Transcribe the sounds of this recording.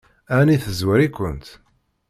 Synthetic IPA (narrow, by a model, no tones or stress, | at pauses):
æniθəzwəɾikʷːə̰nt̪